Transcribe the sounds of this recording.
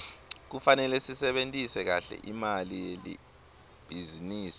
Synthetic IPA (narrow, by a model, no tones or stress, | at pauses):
k̬ufanɛlɛsisɛɓentʼisɛk̬aɬɛ̰ʔimalijelḭ | b̥ʱiziniːsi